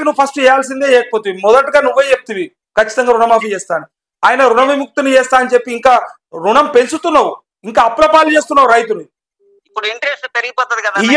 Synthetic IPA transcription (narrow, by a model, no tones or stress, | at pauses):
kinuːpʰɐsʈɛjaːls̬ind̪eːlɛːkɐpoːt̪uʋimɔd̪ɐʈɡaːnuʋːeːt͡ʃep̚t̪iʋi | kɐt͡ʃːi̥t̪ɐŋɡaːɾuɳɐmaːfit͡ʃɛːst̪aːni | aːjɐnɐɾuɳɐmimuk̚t̪unit͡ʃɛːst̪aːɐnt͡ʃepːiːŋkaː | ɾuɳɐmpe̞nsut̪unːawu | iŋkaːpːlɐpaːlt͡ʃeːst̪unːaːwuɾɐjt̪unu | ipːuɽiɳʈɐɾesʈpeɾiɡipɔːt̪ɐd̪ikɐd̪ai